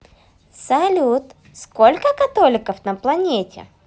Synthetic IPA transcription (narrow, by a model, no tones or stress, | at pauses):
sɐlʲut̪ | skolʲkəkɐt̪olʲɪkəfnəplˠɐnʲetʲɪ̰